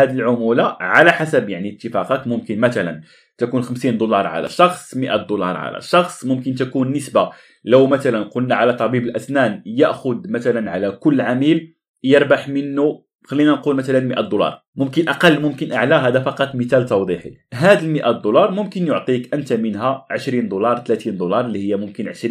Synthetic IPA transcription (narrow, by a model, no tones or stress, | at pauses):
hæd̪ilʕʊmulaʕalæħasæbjaʕniət̪ːəfɑqækmʊmkənmæt̪ælæ̰n | t̪ækunxəmsind̪ulɑɾˤʕa̰læ̰ʃɑxsˤməʔæt̪̚d̪ulɑ̰ɾˤʕa̰læ̰ʃɑxsˤmʊmkənt̪ækunːəsba | ləwmæt̪ælænqʊlnaʕalæt̪ˤɑbibəlʔæsnænjəʔxʊd̪mæt̪ælænʕalækʊlːʕamil | jəɾˤbaħmənːu | xælːinænqulmæt̪ælænməʔæt̪̚d̪ulɑ̰ɾˤ | mʊmkənʔɑqɑlːmʊmkənʔaʕlæɦæd̪æfɑqɑt̪ˤːmit̪ælt̪ɑwd̪ˤiħḭɦæd̪əlməʔæt̪̚d̪ulɑɾˤmʊmkənjoʕt̪ˤikʔənt̪amənɦæʕəʃɾind̪ulɑɾˤt̪læt̪ind̪ulɑɾˤlːihəjːæmʊmkənʕəʃɾi